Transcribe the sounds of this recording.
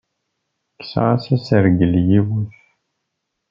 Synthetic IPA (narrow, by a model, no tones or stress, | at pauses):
kːsa̰ʁasæsəɾɡəljiwuθ